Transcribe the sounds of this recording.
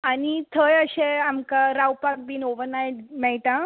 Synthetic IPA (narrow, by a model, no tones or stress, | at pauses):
añit̪ʰəjəɕeamkaɾawpak̚binoʋənajmɛɭʈã